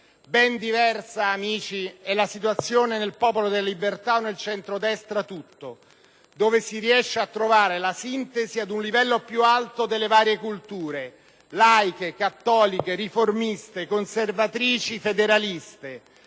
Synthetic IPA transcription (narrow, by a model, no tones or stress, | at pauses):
bɛnd̪ivɛrsaːmiːt͡ʃiɛlːasit̪wat̪sːjoːnenelpɔːpolod̪elalibert̪aonːelt͡ʃɛnt̪ɾod̪ɛst̪ɾat̪ut̪ːo | d̪oːvesiɾiɛʃːeat̪ːɾovaːɾelasint̪eziad̪unlivɛlːopjualt̪od̪elːevaːɾjekult̪uːɾe | lajkekat̪ːɔːlikeriformist̪ekonservat̪ɾiːt͡ʃifed̪eɾalist̪e